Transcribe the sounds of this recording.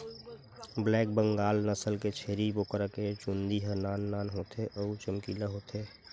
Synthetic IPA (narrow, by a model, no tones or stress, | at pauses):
blɛːk̚bə̃ŋɡaːlnəsəlket͡ʃʰeːɾibokəɾəket͡ʃũnd̪iɦənaːnːaːnɦoːt̪ʰeʔəut͡ʃəmkiːlaɦoːt̪eː